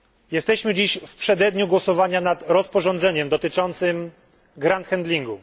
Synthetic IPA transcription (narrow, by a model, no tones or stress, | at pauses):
jɛst̪ɛɕmɘd͡ʑiɕfpʂɛd̪ɛd̪ɲuɡwɔsɔvaɲanat̪ɾɔspɔʐɔnd̪zɛɲɛmd̪ɔt̪ɘt͡ʂɔnt̪sɘm | ɡɾant̪xɛnd̪lʲiŋɡu